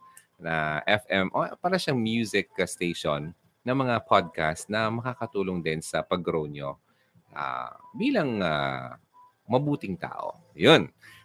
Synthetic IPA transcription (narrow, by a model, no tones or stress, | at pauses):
nɐʔɛfʔɛmʔopaːɾɐʃaŋmjuːsɪkɐst̪ejʃonː | ɐmɐŋapʰod̪̚kast̪nɐmɐkaːkɐt̪uːloŋd̪ɪnsɐpɐɡɾownjo | ʔa̰biːlɐŋa | mɐbuːt̪ɪŋt̪a̰ːʔo̞̰ | jon